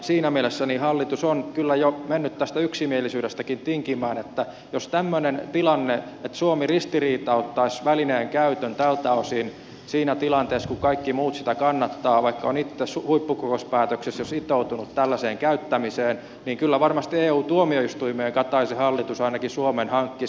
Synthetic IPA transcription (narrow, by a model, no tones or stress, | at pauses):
siːnæmielesːænihɑlːit̪usonkylːæjomenːyt̪t̪æst̪æyksimielisyːɾest̪ækint̪iŋkimæːnet̪ːæ | jost̪æmːønent̪ilɑnːeet̪suomirist̪iriːt̪ɑot̪ːɑisʋælineːŋkæyt̪ønt̪ælt̪æosin | siːnæt̪ilɑnt̪eːskukɑikːimuːt̪sit̪ækɑnːɑt̪ːɑːʋɑikːɑonit̪ːeshuipːukokospæːt̪øksesjosit̪out̪unut̪t̪ælːæseːŋkæyt̪ːæmiseːn | niːŋkylːæʋɑrmɑst̪ieːuːt̪uomioist̪uimeːŋkɑt̪ɑisehɑlːit̪usɑinɑkisuomenhɑŋkːi